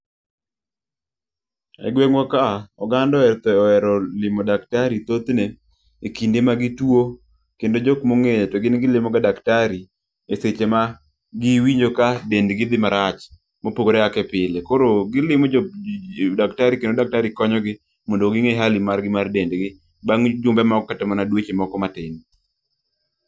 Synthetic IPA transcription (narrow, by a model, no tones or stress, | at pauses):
ɛ̰ɡweŋwɔkaɔɡandɔɛɾt̪ɔɔɛɾɔlɪmɔdaktaɾit̪ot̪neː | kindemaɡɪtwo | kendod͡ʒɔkmoŋetɔɡɪnɡɪlɪmɔɡadaktaɾi | eset͡ʃema | ɡɪwiɲd͡ʒokadendɡɪd̪ɪmaɾat͡ʃ | mopoɡoɾɛakɛpɪlekoɾoɡɪlɪmɔd͡ʒ | daktaɾikendodak̚taɾikɔɲɔɡɪ | mondoɡɪŋeɦalimarɡɪmardendɡɪ | baŋd͡ʒʊmbɛmɔɡɔkːatɛmanadwet͡ʃemɔkɔmatɪni